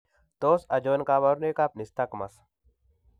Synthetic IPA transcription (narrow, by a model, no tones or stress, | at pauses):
t̪oːsɐd͡ʒoːnkaːβɐɾuneːkapnist̪ɐkmɐ̰s